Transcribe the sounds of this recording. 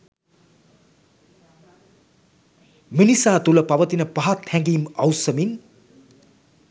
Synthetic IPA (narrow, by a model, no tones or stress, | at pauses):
minisaːt̪ulɐpɐʋɐt̪inɐpaɦat̪ʰːãŋɡimʌwsɐmin